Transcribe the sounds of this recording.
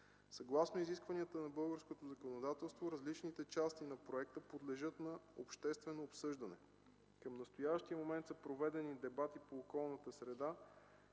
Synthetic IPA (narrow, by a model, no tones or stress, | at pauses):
sɐɡlˠasnoiziskvɐniət̪ənɐbɤlˠɡəɾskot̪ozɐkonod̪at̪ɛlˠst̪voɾɐzlit͡ʃnit̪ɛt͡ʃast̪inɐpɾoɛk̚t̪əpod̪lɛʒɤt̪nɐopʃt̪ɛst̪vɛnoːpsɤʒd̪ənɛ | kəmnɐst̪ojavʃt̪iəmomɛnt̪səpɾovɛd̪ɛnid̪ɛbat̪ipoːkɔlˠnət̪əsɾɛd̪a